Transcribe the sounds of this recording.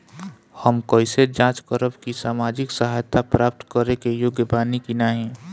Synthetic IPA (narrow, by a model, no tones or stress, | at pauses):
həmkəised͡ʒãːt͡ʃkəɾəbkisaːmaːd͡ʒɪksəɦaːjt̪ʰːapɾaːp̚t̪kəɾekejʊɡjəbaːnikinaɦɛ̃ː